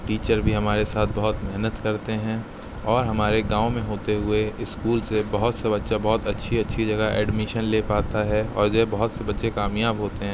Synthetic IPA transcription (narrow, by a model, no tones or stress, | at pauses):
ʈiːt͡ʃəɾbʱiɦɐmaːɾesaːt̪ʰbɐɦʊt̪mɛɦnət̪kɐɾt̪eɦɛ̃ː | ɔːɾɦɐmaːɾeɡãːõmẽɦoːt̪eɦʊeɪskuːlsebɐɦʊt̪sebɐtːʃabɔɦʊt̪ɐtːʃʰiɐtːʃʰid͡ʒɐɡəʔɛ̰ːɖmɪʃənleːpaːt̪aɦɛɔ̰ːɾd͡ʒoɛbɐɦʊt̪sebɐtːʃekaːmjaːbɦoːt̪eɦɛ̃ː